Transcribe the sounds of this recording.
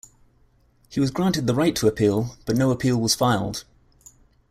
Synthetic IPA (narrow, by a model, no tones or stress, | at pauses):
hiwɒzɡɹɑ̃ˑntɪd̪̚ðəɹaɪtʰəəpʰiːlˠb̥ʌʔnəʊəpʰiːlˠwɒz̥faɪlˠd̥